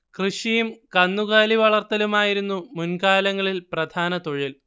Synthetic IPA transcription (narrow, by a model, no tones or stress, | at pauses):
krɨʂijumkɐnːuɣaːliʋɐɭɐrt̪ːɐlumaːjiɾunːumunkaːlɐŋːɐɭilprɐd̪ʱaːnɐt̪oɻil